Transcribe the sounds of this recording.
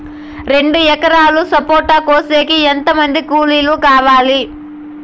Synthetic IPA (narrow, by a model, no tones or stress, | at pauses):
ɾe̞ɳɖuɛkɐɾaːlusɐpoːɾʈɐkoːse̞ːkient̪ɐmɐnd̪ikuːliːlukaːʋaːli